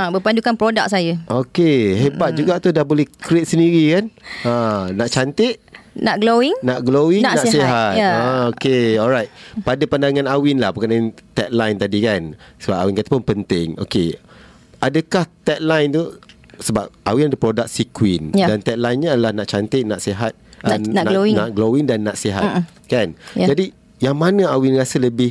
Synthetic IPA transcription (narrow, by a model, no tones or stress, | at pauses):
abəpandd͡ʒukanpɾodak̚sajəʔokeɦebat̪̚d͡ʒuɡaʔt̪udahbolɛhkɾet̪̚səndiɾikananaʔt͡ʃant̪ɪʔ̪̚naʔɡlowiŋnaʔɡlowɪŋnanasiɦat̪aokeɔlɾajt̪̚padapandaŋãnawɪnlahpəkanaant̪ɛt̪̚lajnt̪adikansəbap̚awinkat̪apʊnpənt̪ɪŋo̰ke | adəkaht̪ɛt̪̚lajnt̪u | səbap̚awinadəpɾodak̚sikwinjdant̪ɛt̪̚lajnɲəadalahnaʔt͡ʃant̪ɪʔ̚nãʔseɦat̪̚nanoiŋnaʔɡlowɪŋdanːaʔseɦa̰t̪̚ | kanjd͡ʒadi | jaŋmanə̃awɪnrasələbɪh